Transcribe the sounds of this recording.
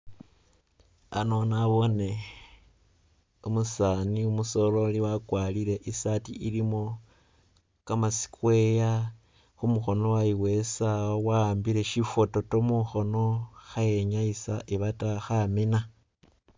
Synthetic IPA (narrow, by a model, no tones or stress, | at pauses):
a̰no̞naβo̞ne̞ | umusaniumuso̞lo̞liwakwaliɾe̞ʔisatḭʔiɾimo̞ | kamasi̥kwe̞ja | xumuxo̞no̞waiwe̞saowaːmbiɾe̞ʃifoto̞tomuxo̞no̞xaje̞ɲaisaʔiβataxamina